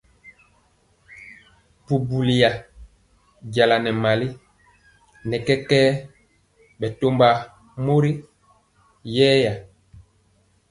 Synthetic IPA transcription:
pu˨bu˨li˨ja˨ | ɟa˨la˨nɛ˨ma˨li˦ | nɛ˨kɛ˦kɛː˦ | ɓɛ˨to˦mba˦ | mo˦ɾi˦ | jɛː˦ja˨

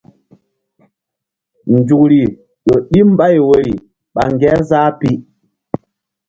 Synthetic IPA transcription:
n̩˨d͡ʒu˨k̚ɾi˨ | ɗɔ˨ɗi˦m̩˦ba˦i˨we˨ɾi˨ | ɓa˨ŋ˨ɡɛ˦zaː˦pi˦

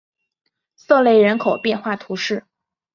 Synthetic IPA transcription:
sɤ˥˧le˥˩ɪɻə˧˥nkʰo˨˩ʊpjɛ˥˧nxwa˥˩t̪ʰu˧˥ʂɻ̩˥˩

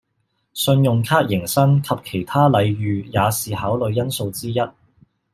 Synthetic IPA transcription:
sɵ˧njʊ˨˩ŋkʰaː˥t̚jɪ˨˩ŋsɐ˥ŋkʰɐ˨p̚kʰe˨˩jt̪ʰaː˥lɐ˨˧jɥyː˨jaː˨˧siː˨haː˨˥wlɵ˨˧ɥjɐ˥nso˧wt͡siː˥jɐ˥t̚

